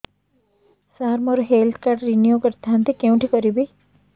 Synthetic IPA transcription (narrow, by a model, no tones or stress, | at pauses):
saɦɾmɔɾoɦelt̪ʰkaɾʈɾinjukəɾt̪ʰant̪ikeũʈʰikɔɾibi